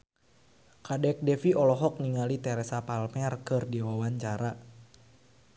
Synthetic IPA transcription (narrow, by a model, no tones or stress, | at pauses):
kadɛk̚dɛfiɔlɔɦɔk̚niŋalit̪ɛɾɛsapalmɛrkɨrdiwawaɲt͡ʃaɾa